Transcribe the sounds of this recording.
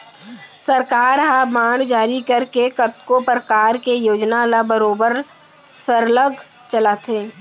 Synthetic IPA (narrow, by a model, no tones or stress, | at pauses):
səɾkaːɾɦaːmaːɳd͡ʒaːɾikəɾkekət̪kopɾəkaːɾkejoːd͡ʒnalabəɾoːbəɾ | səɾləɡʱ | t͡ʃəlaːt̪eː